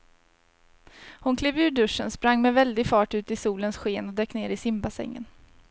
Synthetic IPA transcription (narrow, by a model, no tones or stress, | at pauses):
hʊnkʰleːvʉːɖɵʂənspɾaŋːmɛvɛld̪ɪɡfɑːʈʉ̟ːt̪ɪsuːlənsɧeːnɔd̪ɛːkːneːɾɪsɪmbasɛ̰ŋːə̰n